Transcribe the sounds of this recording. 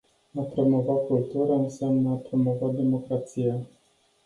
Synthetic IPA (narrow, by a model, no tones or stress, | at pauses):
apɾo̞mo̞vat̚kult̪uɾaɨnseamnəapɾo̞mo̞vat̪̚d̪e̞mo̞kɾat̪sija